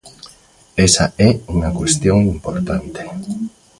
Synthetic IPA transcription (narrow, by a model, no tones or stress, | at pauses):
ɛsa̰ɛuŋɐkwest̪joŋimpoɾt̪ant̪e̥